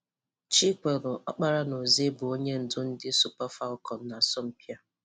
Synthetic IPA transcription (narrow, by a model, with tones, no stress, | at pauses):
t͡ʃi˦k͡pe˨ɾʊ˨ʔɔ˦k͡pa˦ɾa˦no˨ze˦bʊ˨o˦ɲe˦n̩˨dʊ˦n̩˦dɪ˦su˨pa˦fa˦lkɔ˨n̩˨˦na˨sɔ˦m̩˦pi˦a˦